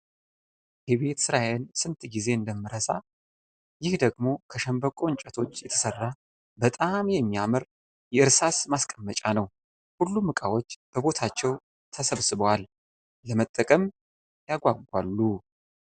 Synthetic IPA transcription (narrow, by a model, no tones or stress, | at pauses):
hɛβet̪sɨɾaensɨnt̪ʰʼɡize̞ɨnd̪əmːɨɾəsa | jɪhd̪əɡmo̞kʰəʃəmbəkʼo̞ɲt͡ʃʼət̪ʰo̞t͡ʃːjɛt̪ʰə̥sərːa | bət̪ʼamjɛmːiamɨɾ | jɛɨɾsasmaskʼəmːət͡ʃʼanəw | hulːumɨkʼawo̞t͡ʃːb̥əβo̞t̪ʰat͡ʃːɛw | t̪ʰəsəβsɨβəwalː | əmət̪ʼːəkʼəm | jaɡʷaɡʷa̰lːu